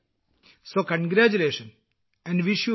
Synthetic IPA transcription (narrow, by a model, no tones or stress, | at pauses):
soːkɐ̃nɡɾæːt͡ʃuleːʃə̃n | ɛ̃ɳɖʋiʃju